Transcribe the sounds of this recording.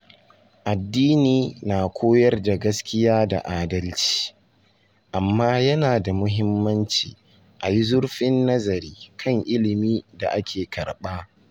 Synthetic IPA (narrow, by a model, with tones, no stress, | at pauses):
ʔa˨dːiː˦niː˨naː˨kʷʰoː˦jɐ˦rda˨ɡɐ˦skʲɪ˦jaː˦da̰˨ʔaː˦dɐ˦lt͡ʃi̥ː˦ | ʔa˨mːaː˦jɐ˦naː˨da˨mʊ˦ɦɪ˦mːɐ˦nt͡ʃiː˨ | ʔa˨ji˦zʊ˦ɽɸɪ˦nːɐ˦zɐ˨ɾiː˦kʰɐ˦˨ŋʔɪ˦lɪ˨miː˦da̰˨ʔa˦kʲʰeː˨kʰɐ˨ɽɓaː˦